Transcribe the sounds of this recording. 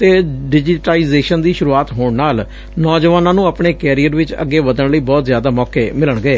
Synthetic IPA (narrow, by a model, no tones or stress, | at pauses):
t̪eːɖɪd͡ʒɪʈaːiːzeːʃənd̪iːʃʊɾuːaːt̪ɦoːɳnaːl | nɔːd͡ʒʋaːnãːnũːaːpɳeːkɛːɾijəɾʋɪt͡ʃə̰ɡːeːʋəd̪əɳləiːbɔːt̪zjaːd̪aːmɔːkeːmɪləɳɡəeː